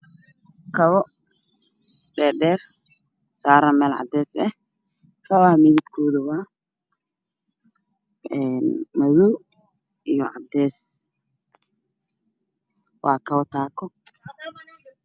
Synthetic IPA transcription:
kʰɐβɔ | ɖɛːɖɛːr | saːɾɐmɛːlʕɑ̰d̪ɛːsɛh | kʰɐwaːmɪðɪbkʰɔːðɐwɑː | ɛːnmɐðɔw | ijɔʕɑ̰d̪ɛːs | wɑːkʰɐwɔt̪ʰaːkʰɔ

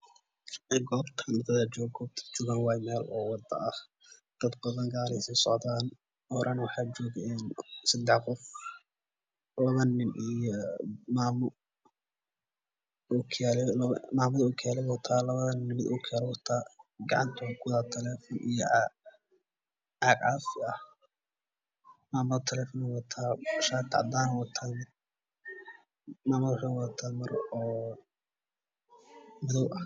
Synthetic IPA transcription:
ɛɡɔːbt̪ʰnɪd̪ʰɐðad͡ʒɔːɡɔːb̚t̪ʰt͡ʃɔːɣanwɑːjmɛːlɔːwɑd̪ɐ̰ʔɐh | d̪̥ɐd̪bɐðɐŋɡaːlɪsɛsɔʕd̪aːn | ɔːɾʔanwɑħɑːt͡ʃɔːɡɛnsɐd̪ɛħqɔf | lɐβɐnɪnijɔmaːm | ʊkʰɛllmaːmɐðɐʊkʰɛlɪwɔt̪ʰaːlɐβɐðɐnnɪmɪd̪ʊkʰɛlwɔt̪ʰaːɡɑʕɑnt̪ʰʊkʰʊwðaːt̪ʰɛlɛːfɔnʔijɔ | ʔaːɡʕaːfɪɐh | maːmɐðt̪ʰɛlɛːfɔnɔwɐt̪ʰaːʃaːt̪ʰɑ̰ʕd̪aːnwɐt̪ʰan | maːmɐðʃɐwɐt̪ʰaːmɐrɔː | mʊðɔwʔɐ

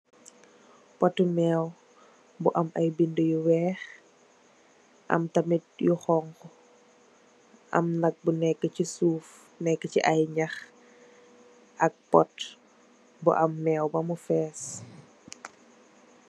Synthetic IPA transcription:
pɔtːumɛw | buʔɐmʔɐjbindəjuwɛːx | ʔɐ̰mtɐmit̚juxɔŋkɔ | ʔɐ̰mnɐk̚bunɛkːəcisuːf | nɛkːəciʔɐjɲɐx | ʔɐk̚pɔt | bṵʔɐmːɛːwbɐmufɛːs

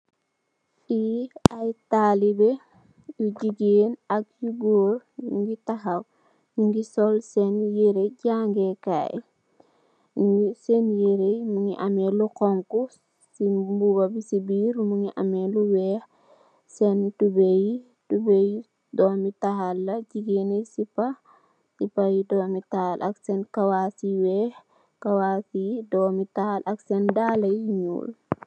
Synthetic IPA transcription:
ʔiajtalibe | juɟiɡenak̚juɡoːɾɲṵŋɡitaɦaw | ɲuŋɡisɔlsɛnjeɾeɟaŋɡeka̰j | ɲuŋɡisenjeɾejmuŋiʔameluqɔŋku | simbuɡabisibiːɾmuŋiʔɐ̰mɛluwɛːx | sɛntubeji | tubej | dɔmitahalːɐɟiɡenisipɐ | sipɐjidɔːmitahalʔɐ̰ksɛnkɐwasiwɛːh | kɐwaːsijidɔːmitahalʔɐksɛndaːlɐjiɲṵːl

